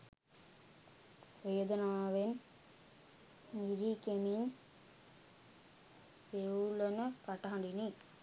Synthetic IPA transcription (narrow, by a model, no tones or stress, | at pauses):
ʋeːd̪ɐnaːʋen | niɾikemin | ʋeulɐnɐkɐʈːɐɦɐɳɖini